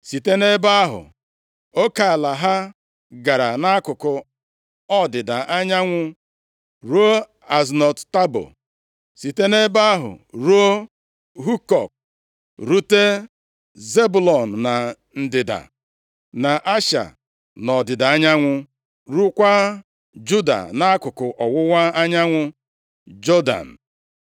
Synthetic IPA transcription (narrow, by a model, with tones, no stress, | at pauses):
si˨te˦ne˦ba˦ɦʊ̰˨ | o˦ka˨la˨ɦa˦ | ɡa˨ɾa˨na˦kʊ˨kʊ˨ | ɔ˦dɪ˨da˨ʔa˦ɲa˦ŋʷʊ˦ | ɾu˦o˦ | a˨znɔ˨tta˦bo̰˨ | si˨te˦ne˦ba˦ɦʊ̰˨ɾu˦o˦ | ɦu˦kɔ˨k̚ | ɾu˦te˦ | ze˦bu˨lɔ˨n̩˨na˨ | n̩˨dɪ˨da̰˨ | na˨ʔa˦ʃa̰˨ | nɔ˨dɪ˨da˨a˦ɲa˦ŋʷʊ˦ | ɾu˦kʷa˦ | d͡ʒu˦da̰˨na˦a˦kʊ˨kʊ˨ʔɔ˨wʊ˦wa˦a˦ɲa˦ŋʷʊ˦ | d͡ʒo˦da̰˨n̩˨